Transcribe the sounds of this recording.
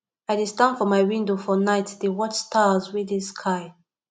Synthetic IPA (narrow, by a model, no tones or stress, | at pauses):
aɪdestãnd̥fɔmaɪwĩndofɔnaɪtdewɔt͡ʃstʰazwɪðɪskʰaɪ